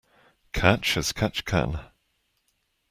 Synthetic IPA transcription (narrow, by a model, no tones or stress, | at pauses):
kʰat͡ʃəz̥kʰat͡ʃkʰã̰n